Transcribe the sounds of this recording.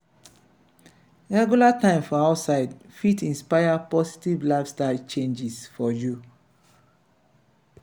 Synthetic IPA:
ɹɛɡjulatãɪ̃mfɔaʊtsaɪdfitĩnspaɪapɔsi̥tivlafstaɪlt͡ʃẽnd͡ʒisfɔju

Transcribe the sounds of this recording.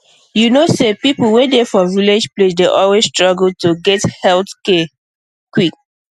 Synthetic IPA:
junosepipl̩wɛ̃defɔviled͡ʒplesdeʔɔlwesstɹɔɡl̩tuɡɛthɛltkɛ | kwik

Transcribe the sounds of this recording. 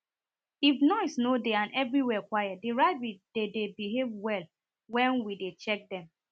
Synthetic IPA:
ifnɔɪsnodeãnɛvɹiwɛkwajadeɹaɪbid̥edebiɦevwɛl | wɛ̃nwidet͡ʃɛk̚dɛ̃m

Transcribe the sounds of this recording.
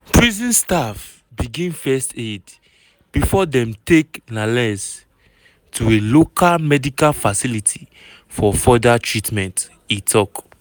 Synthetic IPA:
pʰɹizĩnstaf | biɡĩnfɛsted | b̥ifɔdɛ̃mteknalɛs | tʰuelokalmɛdikalfasilitʰi | fɔfɔdatʰɹitmɛ̃nt | itʰɔk

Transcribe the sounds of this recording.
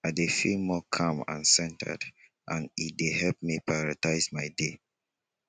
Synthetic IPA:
adefilmɔkʰãmã̰nsɛ̃ntʰə̰d | ʔãnit̚dehɛlp̚mipɹajɔɹataɪsmaɪde

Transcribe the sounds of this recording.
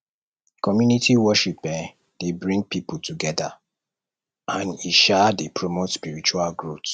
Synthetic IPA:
kɔmjunitʰiwɔʃipɛ | d̥ebɹĩŋɡ̚pipultʰuɡɛda̰ | ãniʃadepʰɹomotspiɹit͡ʃualɡɹot

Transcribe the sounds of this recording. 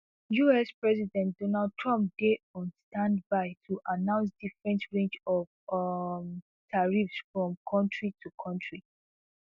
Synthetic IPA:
juɛspɹɛzidɛ̃ntdɔnald̚tʰɹɔ̃mp̚deɔ̃nstãndbaɪtʰuʔanãʊ̃ns̬difɹɛ̃ntɹẽnt͡ʃɔvm | tʰaɹifsfɹɔ̃mkʰɔ̃ntɹitʰukʰɔ̃ntʰɹi

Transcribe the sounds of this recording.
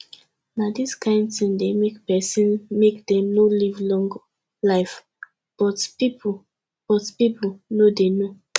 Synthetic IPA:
nadiskʰãɪ̃ndtĩmdemekpɛsĩnmekdɛ̃mnolivlɔ̃ŋɡ | laɪf | b̥ɔtpip | b̥ɔtpipulnodeno

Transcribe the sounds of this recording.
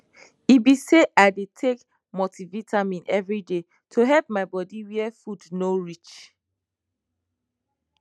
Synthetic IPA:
ibiseʔaɪdetʰek | motivitʰamĩnɛvɹide | tʰuɦɛlp̚maɪbɔdiwiɛfudnoɹit͡ʃ

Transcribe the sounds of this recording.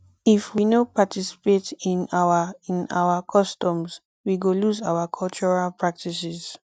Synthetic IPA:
ifwinopatisi̥petĩnaaĩna̰wakʰɔstɔ̃ms | wiɡoluzawakʰɔlt͡ʃɔɹalpɹak̚tisiz̥

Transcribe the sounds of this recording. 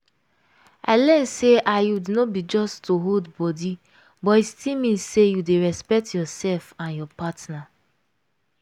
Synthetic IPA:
a̰ɪlɛ̃nseʔajudnɔbid͡ʒɔstːoɦodbɔdi | bɔistʰimĩnsejudeɹɛspɛk̚tjɔsɛlfãnjɔpatna

